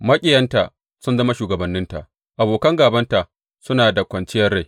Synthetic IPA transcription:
mɐ˦kʲʼɪ˨jɐ˦nta˨ | sʊ˦nzɐ˦ma˦ʃuː˨ɡɐ˨bɐ˨nːɪ˦nta̰˨ʔ | ʔa˨boː˨kɐ˦ŋɡaː˨bɐ˦nta˨ʔ | sʊ˦naː˨da˨kʷɐ˨nt͡ʃɪ˦jɐ˦rɽa˦˨

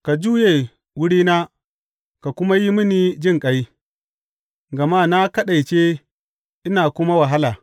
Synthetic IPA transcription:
ka˨d͡ʒuː˦je˨ | wʊ˦ɽiː˦na˦ | ka˨kʷʊ˦ma˦ji˦mɪ˦niː˦d͡ʒɪ˦ŋkʼa˦j | ɡɐ˨ma˦na˦kɐ˦ɗa˨jt͡ʃe˦ | ʔɪ˦naː˨kʷʊ˦ma˦wa˨ɦa˦laː˨

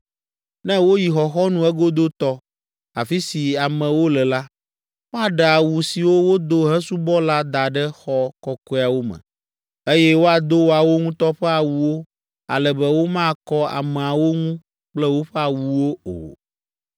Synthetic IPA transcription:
nɛ̃˦wo˦ji˨xɔ˨xɔ˦nũ˦ɛ˦ɡo˦d̪o˦t̪ɔ˦ | a̰˨fi˦si˨a˨mɛ̃˨wo˦lɛ˨la˦ | wa˨ɖɛ˨a˨wu˨si˨wo˦wo˦d̪o˦ɦɛ̃˦su˦bɔ˦la˦d̪a˨ɖɛ˦xɔ˦kɔ˦kɔ˦˨a˨wo˦mɛ̰̃˨ | e˦jɛ˦wo˦a˨d̪o˦wo˦a˨wo˦ŋũ˦t̪ɔ˦ɸɛ˦a˨wu˨wo˦ | a̰˨lɛ˨bɛ˦wo˦mã˦kɔ˦a̰˨mɛ̃˨a˨wo˦ŋũ˦ | k͡plɛ˦wo˦ɸɛ˦a˨wu˨wo˦o̰˨

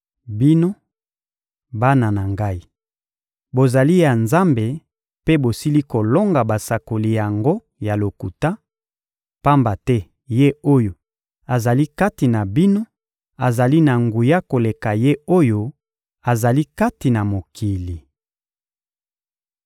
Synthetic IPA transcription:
bi˦no˦ | ba˦na˨na˨ŋɡa˦i˦ | bo˨za˨li˦ja˨nza˦mbe˨ | pe˦bo˨si˦li˦ko˨lo˦ŋɡa˨ba˨sa˨ko˨li˨ja˨ŋɡo˦ | ja˨lo˨ku˨ta˦ | pa˦mba˨tɛ˦ | je˦o˦jo˨ | a˨za˨li˦ka˦ti˨na˨bi˦no˦ | a˨za˨li˦na˨ŋɡu˨ja˦ko˨le˨ka˨je˦o˦jo˦ | a˨za˨li˦ka˦ti˨na˨mo˨kʰi˨li˨

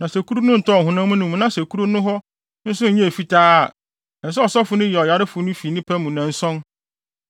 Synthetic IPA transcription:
nã˨sɛ˨ku˦ɾu˦nʊ̃˦n̩˨tʰɔ˦˨ɦʊ̃˨nã˦mũ˦nũ˨m̃˨nã˦sæ˨kʰu˦ɾu˦nʊ̃˦ɦɔ˦ | n̩˦sʊ̃˦ɲ̩˨ɲɛ̃˦e˨fi˦tʰaː˦˨ | nã˨s̬ɛ˦ɔ˨sɔ˦fʊ˦nʊ̃˦jɛ˨ɔ˨ja˨ɾɪ˦fʊ˨˦nʊ̃˦fi˨nɪ̃˦pʰɛ˦mũ˨nã˨n̩˦sɔ̃˦n

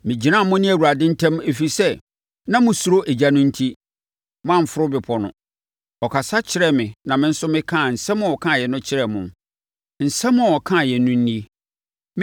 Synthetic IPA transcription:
mɪ̃˨d͡ʑi˨ã˦˨mʊ̃˦nɪ̃˦æ˨wu˨ɾa˨dɪ̃˦n̩˦tʰɛ̃˦me˨fi˨sɛ˦ | nã˦mʊ̃˨su˨ɾo˦ʔe˨d͡ʑa˦nʊ̃˦n̩˦tʰi˦ | mʊ̃˦ã˦˨m̩˨fʊ˦ɾʊ˦bɪ˨pʰɔ˨nʊ̰̃˨ | ɔ˨kʰa˨sa˦t͡ɕʰɪ˦ɾɛ˦mɪ̃˨nã˨mɪ̃˦n̩˦sʊ˦mɪ̃˦kʰã˦˨n̩˨sɛ̃˦mʊ̃˦ɔ˨kʰã˦˨jɛ˨nʊ̃˦t͡ɕʰɪ˦ɾɛ˨mʊ̃˨m | n̩˨sɛ̃˦mːʊ̃˦˨ɔ˨kʰã˦˨jɛ˨nʊ̃˦n̩˦nĩ˦

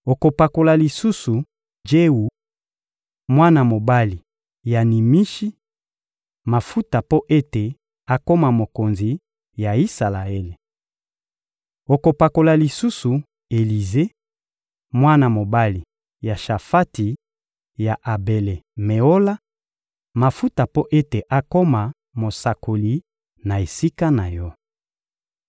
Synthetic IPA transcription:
o˨ko˨pa˨ko˨la˨li˨su˦su˨ | d͡ʒe˦u˨ | mwa˦na˨mo˨ba˦li˨ | ja˨ni˨mi˦ʃi˦ | ma˨fu˦ta˨po˦ʔe˦te˨ | a˨ko˦ma˨mo˨ko˨nzi˨ | ja˨i˦sa˨la˨e˦le˨ | o˨ko˨pa˨ko˨la˨li˨su˦su˨ | e˨li˨ze˦ | mwa˦na˨mo˨ba˦li˨ | ja˨ʃa˨fa˦ti˨ | ja˨ʔa˨be˨le˨mɛ˨o˦la˦ | ma˨fu˦ta˨po˦ʔe˦te˨ʔa˨ko˦ma˨ | mo˨sa˨ko˨li˨ | na˨e˨si˦ka˦na˨jɔ˦

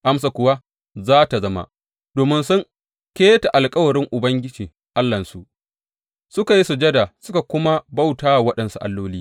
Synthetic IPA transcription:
ʔa˦ms̬a˨kʷʊ˨wa˦ | zaː˦ta˨zɐ˦ma̰˨ | d̥oː˨mɪ˦nsʊ˦ŋ | kʲeː˦ta˨ʔa˨lkʼɐ˦wɐ˨ɾɪ˦ŋʔʊ˨bɐ˦ŋɡʲɪ˦d͡ʒiː˨ | ʔa˦lːɐ˨nsu˨ʔ | sʊ˦ka˨ji˦su˨d͡ʒɐ˦da˨sʊ˦ka˨kʷʊ˦ma˦ba˦˨wtaː˦˨wɐ˦ɗɐ˨nsu˦ʔa̰˨lːoː˦liː˦

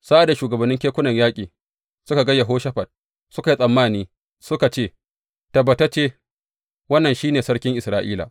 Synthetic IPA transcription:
sa˦ʔa˨da˨ʃuː˨ɡɐ˨bɐ˨nːɪ˦ŋkʲeː˦kʷʊ˦nɐ˨ɲjaː˦kʲʼiː˨ | sʊ˦ka˨ɡɐ˦jːa˨ɦoː˦ʃɐ˦ɸɐ˨d̚ | sʊ˦ka˨ji˦sʼɐ˨mːaː˦˨niː˦ | sʊ˦ka˨t͡ʃeː˦˨ | tɐ˨bɐ˨ta˦t͡ʃeː˦ | wɐ˦nːɐ˨nʃiː˦neː˨sɐ˦ɽkʲɪ˦ŋʔɪ˨sɾaː˨˦ʔḭː˦la̰ː˨

